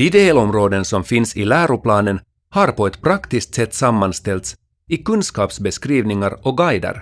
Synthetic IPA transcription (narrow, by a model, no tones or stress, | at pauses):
d̪̥id̪elɔmɾoːd̪ənsɔmfɪnsɪlæːɾʊplɑːnən | haɾpɔɛt̪pʰɾakt̪ɪsk̚t̪sɛt̪ːsamːanst̪ɛlt̪s | ɪkɵnskɑːpsbɛskɾiːvnɪŋaɾɔɡajd̪ə̰ɾ